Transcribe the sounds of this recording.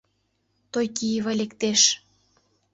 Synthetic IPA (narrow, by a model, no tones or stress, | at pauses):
t̪ojkiβɑlʲekt̪eʃ